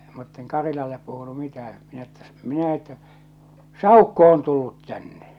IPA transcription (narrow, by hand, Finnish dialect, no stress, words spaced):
mutːeŋ kɑrilɑlːep puhunu mitæhæ̃ː minæ tːæ minæ etːæ sɑˑukːo on tulːut tænːe